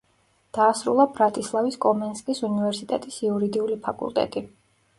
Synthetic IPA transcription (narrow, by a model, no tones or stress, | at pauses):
d̪̥aːsɾulˠabɾat̪ʼislˠaviskʼɔmɛnskʼisunivɛɾsit̪ʼɛt̪ʼisiuɾid̪iulipʰakʼṵlˠt̪ʼɛ̰t̪ʼi